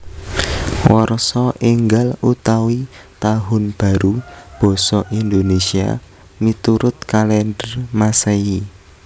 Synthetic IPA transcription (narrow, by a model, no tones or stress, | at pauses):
wɔrsɔʔiŋɡalut̪awit̪aɦʊnb̥a̤ɾub̥ɔ̤sɔʔind̪onesia̰ | mit̪uɾʊt̪̚kalɛndərmasɛi